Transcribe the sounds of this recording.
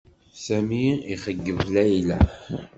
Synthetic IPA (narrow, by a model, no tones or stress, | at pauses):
sæmiiχəɡːəvlæjlæ